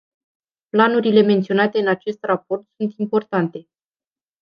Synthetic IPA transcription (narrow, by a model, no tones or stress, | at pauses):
planuɾile̞me̞nt̪sio̞nat̪e̞ɨnat͡ʃe̞st̪rapo̞rt̪sunt̪impo̞rt̪ant̪e̞